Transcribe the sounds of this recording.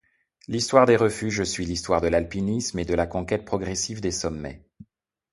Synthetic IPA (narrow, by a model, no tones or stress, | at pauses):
list̪waʁd̪eʁəfyʒəsɥilist̪waʁd̪əlalpinismed̪əlakɔ̃kʲɛt̪̚pχɔɡʁɛsivd̪esɔmːɛ̰